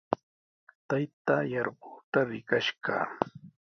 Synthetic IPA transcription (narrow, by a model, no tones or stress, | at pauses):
t̪ajt̪ajɑɾɢʊːt̪aɾɪkaʃɢɑ̰ː